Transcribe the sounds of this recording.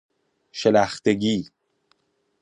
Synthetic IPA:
ʃelæxt̪ʰeɟiː

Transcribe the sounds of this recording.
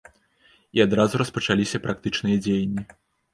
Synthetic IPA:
iad̪ɾazuɾɐspɐt͡ʂalʲisʲɐpɾʔak̚t̪ɨt͡ʂnɨjɐd͡zʲejɐnʲːi

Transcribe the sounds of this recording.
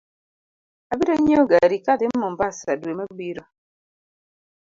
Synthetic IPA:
abiɾaɲoɡaɾikad̪ɪɔmbasadwemabiɾo

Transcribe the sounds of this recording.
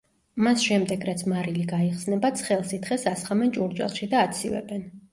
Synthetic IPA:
masʃɛmd̪ɛɡɾat̪sʰmaɾiliɡaiχsnɛbat̪sʰχɛlˠsit̪χɛsasχamɛnt͡ʃʼuɾt͡ʃʼɛ̰lˠʃid̪aːt̪sʰivɛ̰bɛn

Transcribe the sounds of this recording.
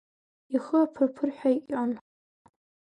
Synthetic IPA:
iχəapʰɨrpʰɨrħʷᶣaiʔʲʼan

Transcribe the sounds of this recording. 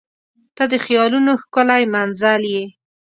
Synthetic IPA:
t̪ɑd̪əxjɑlunoxkʊlajmanzalje

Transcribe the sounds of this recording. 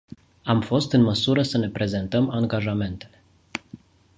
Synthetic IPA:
amfo̞st̪ɨnməsuɾəsəne̞pɾe̞ze̞nt̪əmaŋɡaʒame̞nt̪e̞̥le̞

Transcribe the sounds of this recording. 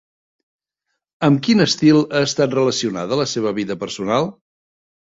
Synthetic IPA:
əmkinəst̪ilˠəːst̪at̪rələsiunaðələseβ̞əβiðəpəɾsunalˠ

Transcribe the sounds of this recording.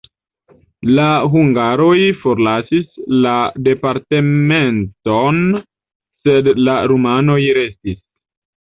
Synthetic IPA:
laɦuŋɡaɾo̞jfo̞ɾlasislade̞paɾte̞me̞nton | se̞dlaɾumano̞jɾe̞stis

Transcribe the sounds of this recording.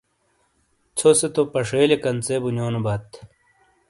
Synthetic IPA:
t͡sʰoset̪opɐʂeːlekɐnt͡sebunoːnubɐt̪ʰ

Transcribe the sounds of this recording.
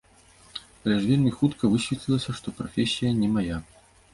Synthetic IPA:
plʲɛʐvʲelʲmʲixut̪kɐvɨɕʲvʲit̪ʲlʲilˠɐsʲɐʂt̪ɔpɾafʲesʲːijɐnʲɛmaja

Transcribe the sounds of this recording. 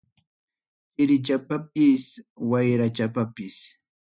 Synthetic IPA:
hɪɾɪt͡ʃapap̚ɪswajɾat͡ʃapapɪs

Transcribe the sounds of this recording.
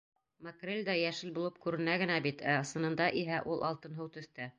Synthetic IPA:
mɐkrʲelʲd̪ɑjæʃɘlbulˠɤp̚kʉɾɘ̆næɡɘ̆næbit̪æɤ̆sɤ̆nɤ̆nd̪ɑʔiɦæʔulˠʔɑlˠt̪ɤ̆nɦɤwt̪ɵ̆θt̪æ

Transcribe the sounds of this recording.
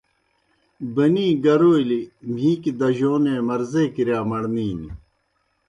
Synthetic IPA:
bɐniːɡɐɾoːilimʱiːkid̪ɐʑoːneːmɐɾzeːkiɾjaːmɐɽniːni

